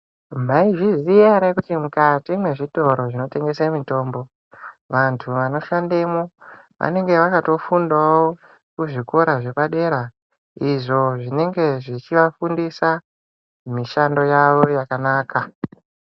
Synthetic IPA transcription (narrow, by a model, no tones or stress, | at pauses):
m̤aiʐiziaɾekutimukatimwe̞ʐito̞ɾo̞ʐino̞te̞ŋɡe̞semito̞ːmbo̞ | ʋantʰuʋano̞ʃandemo | ʋʔa̰ne̞ŋɡe̞ʋakato̞fundao | kuʐiko̞ɾaʐe̞paɗe̞ɾa | iʐo̞ʐine̞ŋɡe̞ʐit͡ʃiʋafundisa | miʃando̞jaʋo̞jakanaːkʰa